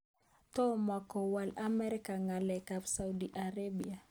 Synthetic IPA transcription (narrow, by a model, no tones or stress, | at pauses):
tɔmakɔwalamɛɾikaŋɡalɛkabsaudiʔaɾabia